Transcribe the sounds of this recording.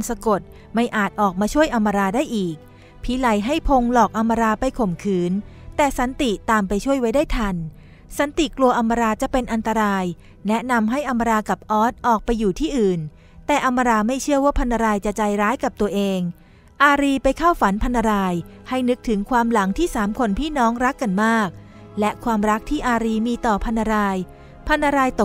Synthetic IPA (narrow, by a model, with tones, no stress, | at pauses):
nsa˧ko˨˩t̪̚ | ma˥˩jʔaː˨˩t̪̚ʔɔː˨˩k̚maː˧t͡ɕʰu˥˩əjʔa˧mːa˧ɾaː˧daː˥˩jʔiː˨˩k̚ | pʰiː˨˦˥la˨˦jɦa˥˩jpʰo˧ŋlɔː˨˩k̚ʔa˧mːa˧ɾaː˧pa˧jkʰo˨˩mkʰɯː˩˦n | t̪ɛː˨˩sa˨˩˦nt̪i˨˩t̪aː˧mpa˧jt͡ɕʰu˥˩əjwa˦˥jdaː˥˩jt̪ʰa˧n | sa˨˦nt̪i˨˩klu˧ɐʔa˧mːa˧ɾaː˧t͡ɕa˨˩ʔpe˧nʔa˧nt̪a˧ɾaː˧j | nɛ˦˥na˧mɦa˥˩jʔa˧mːa˧ɾaː˧ka˨˩p̚ʔɔː˦˥t̪̚ʔɔː˨˩k̚pa˧jːuː˨˩t̪ʰiː˥˩ʔɯː˨˩n | t̪ɛː˨˩ʔa˧mːa˧ɾaː˧ma˥˩jt͡ɕʰɯ˥˩ɐwaː˥˩pʰa˧nːa˧ɾaː˧jt͡ɕa˨˩ʔt͡ɕaː˧jɾaː˦˥jka˨˩p̚t̪u˧ɐʔeː˧ŋ | ʔaː˧ɾiː˧pa˧jkʰa˥˩wfa˩˦npʰa˧nːa˧ɾaː˧jha˥˩jnɯ˦˥k̚t̪ʰɯ˩˦ŋkʰwaː˧mla˩˦ŋt̪ʰiː˥˩saː˩˦mkʰo˧npʰiː˥˩nɔː˦˥ŋɾa˦˥kːa˧nmaː˥˩k̚ | lɛ˦˥ʔkʰwaː˧mɾa˦˥k̚t̪ʰiː˥˩ʔaː˧ɾiː˧miː˧t̪ɔː˨˩pʰa˧nːa˧ɾaː˧j | pʰa˧nːa˧ɾaː˧jt̪o˨˩